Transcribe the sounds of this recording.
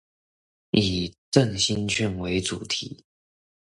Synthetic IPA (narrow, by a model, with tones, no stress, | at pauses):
i˨˩ʈ͡ʂə˥˨ŋɕi˥nt͡ɕʰy˥˩nwe˧˥ɪʈ͡ʂṵ˨˩t̪ʰi˧˥˦